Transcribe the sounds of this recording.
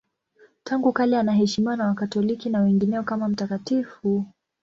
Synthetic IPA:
taŋɡukalɛanaɦɛʃimiwanawakatɔlikinawɛŋɡinɛɔkamam̩takatifu

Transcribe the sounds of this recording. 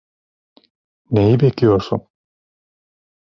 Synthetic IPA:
nejibecʰijo̞ɾsṵn

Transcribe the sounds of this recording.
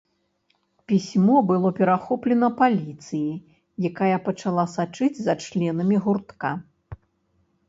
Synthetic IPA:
pʲisʲmɔbɨlˠɔpʲɛɾaxɔplʲɛnɐpalʲit̪sɨji | jakajɐpɐt͡ʂalˠasat͡ʂɨd͡zʲzɐt͡ʂlʲɛnɐmʲiɣurt̪ka

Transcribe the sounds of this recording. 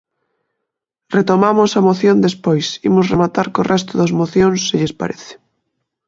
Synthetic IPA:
ret̪omamʊsɐmoθjond̪espojsimʊsremat̪aɾkorʔɛs̬t̪ʊðɐzmoθjõnsːɪʎespa̰ɾeθɪ̥

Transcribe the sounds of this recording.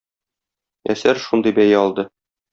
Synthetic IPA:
æ̰sæɾʃund̪ɤjbæjæɒlˠd̪ɤ

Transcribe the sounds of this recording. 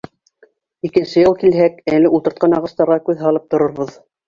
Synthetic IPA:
ikɘ̆nsɘjɤlˠkilɦækælɘʔult̪ɤ̆ɾt̪qɑnɑʁɤ̆st̪ɑɾʁɑkʉðɦɑlˠɤp̚t̪ŏɾŏɾβɤð

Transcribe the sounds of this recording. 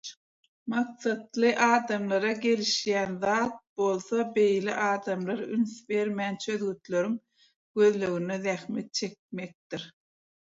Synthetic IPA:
mɑqsɑt̪lˠɯʔɑːd̪ɑmlˠɑɾɑɡe̞liʃjæːnðɑːt̪̚bo̞lˠθɑbe̞jlḭʔɑːd̪ɑmlˠɑɾynθbe̞ɾmæːnt͡ʃʰø̞ðɣyt̪lø̞ɾyŋ | ɡ̥øðløɣyneðæxme̞t̪̚t͡ʃʰe̞k̚me̞k̚d̪iɾ

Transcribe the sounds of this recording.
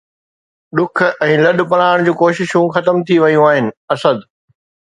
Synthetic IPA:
ɗʊk̆ʰɛ̃ːlɐɗ̆pɐl̃aːɪɽ̃d͡ʑũːkoːʃɪʃũxɐt̪əmt̪ʰiʋɐjũaːɦɪnɪ̆ɐsəd̪

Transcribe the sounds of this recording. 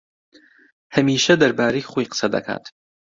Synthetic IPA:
hɐmiːʃɐd̪ɐɾbaːɾejχojqə̥sɐd̪ɐ̰kʰa̰ːt̪

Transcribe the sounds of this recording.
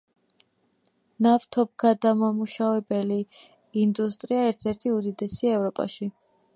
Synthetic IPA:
naft̪ʰɔb̚ɡad̪amamuʃavɛbɛli | ind̪ust̪ʼɾiaɛɾt̪ʰɛɾt̪ʰiud̪id̪ɛsiaɛvɾɔpʼa̰ʃi

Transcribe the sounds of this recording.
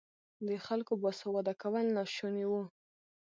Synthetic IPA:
d̪əxalkobɑsawad̪akawəlnɑʃoniwu

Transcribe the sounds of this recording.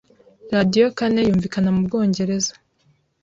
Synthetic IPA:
ɾadijo̞kane̞juːɱvikanamub̚ɡo̞ːɲɟe̞ɾe̞zḁ

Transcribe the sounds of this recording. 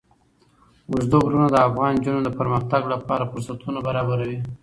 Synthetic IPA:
ʊʒd̪oɡɾunad̪əafɣɑnd͡ʒunod̪əpəɾmaxt̪aɡlapɑɾafʊɾsat̪ʰunabaɾɑbaɾawi

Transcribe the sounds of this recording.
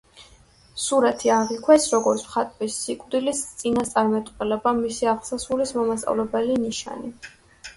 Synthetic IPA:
suɾɛt̪ʰiaʁikʰwɛsɾɔɡɔɾt̪sʰmχat̪ʼwisːikʼd̪ilistt̪sʼinast̪sʼaɾmɛt̪ʼqʼɛlɛbamisiaʁlˠsasulismɔmast̪ʼa̰vlɛbɛliniʃa̰ni

